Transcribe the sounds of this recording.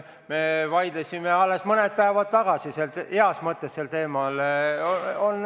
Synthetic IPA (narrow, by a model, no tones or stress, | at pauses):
me̞vɑjd̪̥lesʲimeɑlːesmɤned̪̥̚pæevɑd̪̥̚t̪ːɑɡ̥ɑsiseleɑsmɤt̪ːesːelt̪e̞ːmɑl | on